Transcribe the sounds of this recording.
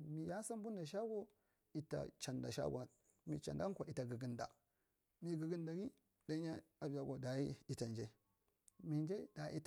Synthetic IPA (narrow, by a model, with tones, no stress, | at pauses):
mi˨ja˦sa˦m˦bu˦nda˨ʃ̬a˦ɡo˦ | i˨ta̰˨t͡ʃa˨nda̰˨ʃa̰˦ɡa˨ | mḭ˨t͡ʃa̰˨nda˦kʷa˨i˨ta˨ɡɨ˨ɡi˨nda̰˨ | mi˨ɡə˨ɡi˦nda˨ɡi˦ | da˦ɲa˦a˨bja˨ɡʷo˨da˨i˦i˦ta˨nd͡ʒe˦ | mi˨nd͡ʒe˦da˨˦ḭ˦t